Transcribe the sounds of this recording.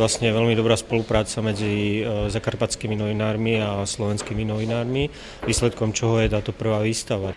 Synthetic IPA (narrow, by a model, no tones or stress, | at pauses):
lasɲɛjɛʋɛlmid̪ɔbɾaːspɔlupɾaːt͡samɛd͡zizakaɾpat͡skiminɔʋinaːɾmiaslɔʋɛnskiminɔʋinaːɾmi | ʋiːslɛt̪kɔmt͡ʃɔɦɔjɛt̪aːt̪ɔpr̩ʋaːʋiːst̪aʋa